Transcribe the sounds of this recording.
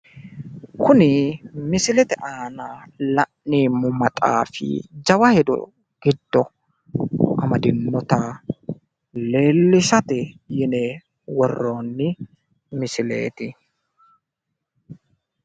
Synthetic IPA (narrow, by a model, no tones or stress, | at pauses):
kʰʊnɪmɪsɪlɛt̪ɛʔaːnaːlɐʔniːmʊmɐt̪ʼa̰ːfɪ̰d͡ʒɐwɐhɛd̪ɔ̰ | ɡ̥ɪd̪ːɔ | ɐmɐd̪ɪnːɔt̪ɐ | le̞ːlːɪʃɐt̪ɪjɪnɛ | wɔrːoːnːɪ | mɪsɪlḛːt̪ɪ